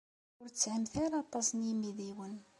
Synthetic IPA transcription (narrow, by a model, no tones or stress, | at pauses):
ʊɾt͡sːʕəmθaɾaɑt̪ˤɑsnjimiðiwən